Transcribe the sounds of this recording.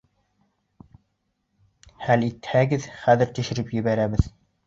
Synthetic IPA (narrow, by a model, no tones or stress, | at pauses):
hælit̪hæɡɘðχæðɘɾt̪ɘ̆ʃɘ̆ɾɘpjɘ̆βæɾæβɘð